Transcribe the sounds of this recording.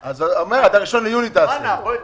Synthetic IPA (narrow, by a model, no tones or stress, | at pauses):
azomeʁad̪aʁiʃo̞nlejunit̪a